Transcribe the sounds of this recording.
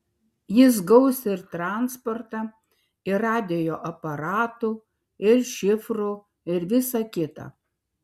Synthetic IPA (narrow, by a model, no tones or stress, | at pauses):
jɪs̬ɡɒʊsʲɪɾt̪ɾɑˑnspɔɾt̪ɑ | ɪɑːd̪ʲejoːʔɐpɐɾɑːt̪uː | ɪɾʃʲɪfɾu | ɪɾʋʲɪsɑkʲɪt̪ɑ̰ː